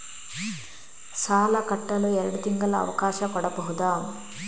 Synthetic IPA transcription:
saːlɐkɐʈːɐluɛɾɐɽut̪iŋɡɐlɐɐ̰ʋɐkaːʃɐkɔɽɐpɔɦud̪aːm

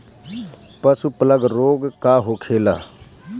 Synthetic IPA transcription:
pəsupələɡɾoːɡkaːɦoːkʰeːla̰ː

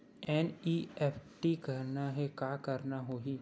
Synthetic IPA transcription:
ɛːniːɛːpʰʈikɐɾnaɦɛkaːkɐɾnaɦoːɦiː

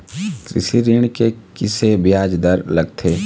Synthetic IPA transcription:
kɾɪ̰ʃiɾɪɳ̃kekɪsebjaːd͡ʒd̪əɾlɐɡt̪ʰeː

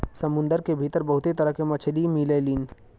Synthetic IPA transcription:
sɐmʊ̃nd̪əɾkebʱit̪əɾbɐɦʊt̪et̪ɐɾəɦkemɐt͡ʃʰlimiːleliːn

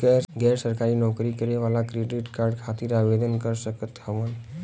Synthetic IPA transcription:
ɡɛɾɡɛɾsəɾkaɾinɔkɾikəɾeʋalakɾeɖiʈkaɾɖkʰat̪iɾabed̪ʱənkəɾsəkət̪həʋən

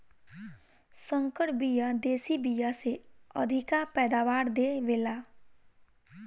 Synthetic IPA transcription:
sə̃ŋkəɽbijad̪eːsibijaseə̰d̪ʱɪkapɛːd̪aːʋaːɾd̪eʋeːlaː

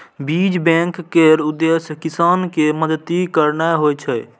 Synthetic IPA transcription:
biːd͡ʒbɛ̃ːŋkːeɾʊd̪ːeːskɪsaːnkeməd̪ət̪ːikəɾnaɦoːjt͡ʃʰə

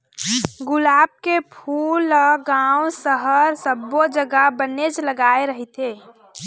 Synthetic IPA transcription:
ɡʊlaːb̚kepʰuːləɡaːwsəɦəɾsəbːod͡ʒəɡəbəned͡ʒləɡaːeɾəɦit̪eː

